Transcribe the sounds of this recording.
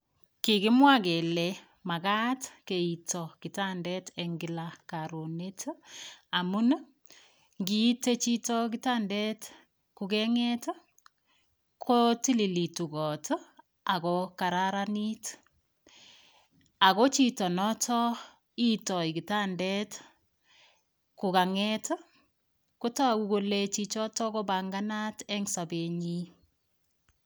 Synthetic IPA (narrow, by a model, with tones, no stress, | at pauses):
ki˨ɣɪ˦mwa˦ke˨lɛ | ma˨ɣa˦tke˨i˨tɔ˨ki˨ta˦ndɛtɛŋɡi˦lakaɾo˨ne˦tʰ | a˨mu˦n | ŋɡi˦te˦t͡ʃi˦tɔ˦k̬ita˦ndɛt | kuɣɛŋɛt | kʰoti˦li˨li˨tu˨ɣɔ˨tʰ | a˨kɔka˨ɾaɾani˦t | a˨kɔ˦t͡ʃi˦tɔ˨nɔ˦tʰɔ˦ | i˦tɔ˨i˨ɡi˨ta˦ndɛ˦t | ku˨ka˨ŋɛt | ko˦ta˦˨ku˨ɡo˨le˨t͡ʃit͡ʃɔ˦tɔ˦kɔ˦ba˨ŋɡanatɛ˦ŋsa˨be˨ɲi˦